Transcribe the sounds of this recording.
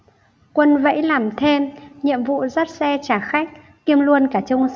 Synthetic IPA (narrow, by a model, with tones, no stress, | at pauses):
kwə˧nvə̰˧˥jlaː˨˩mt̪ʰe˧mɲḭ˧˨əmvṵ˧˨zə˦˥t̚sɛ˧t͡ɕaː˧˩xa˦˥k̟̚ | ki˧əmlu˧ənkaː˧˩t͡ɕʊ˧wŋ͡m